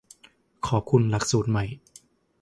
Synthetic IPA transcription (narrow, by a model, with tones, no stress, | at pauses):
kʰɔː˨˦p̚kʰu˧nla˨˩k̚suː˨˩t̪̚ma˨˩j